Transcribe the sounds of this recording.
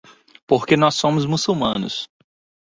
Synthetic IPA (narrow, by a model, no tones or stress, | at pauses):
poɾkenɔsːõmʊzmusuwmɐ̃nʊ̰s